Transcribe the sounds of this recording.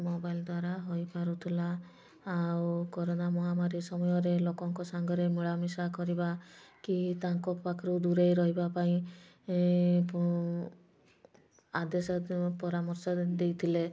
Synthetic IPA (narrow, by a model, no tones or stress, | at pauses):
mobajld̪waɾaɦojpaɾut̪ʰilaː | wkɔɾonamɔɦamaɾisɔmɔjɔɾelokɔŋkɔsaŋɡɔɾemiɭamisakɔɾibakit̪aŋkɔpakʰɔɾud̪uɾejɾɔɦibapaĩ | p | ad̪esɔpɔɾamɔɾsɔd̪ejt̪ʰile